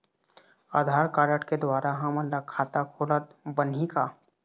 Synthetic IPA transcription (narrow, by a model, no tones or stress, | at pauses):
aːd̪ʱaːɾkaːɾəʈked̪waːɾaɦɐmənlakʰaːt̪akʰoːlət̪bənikaː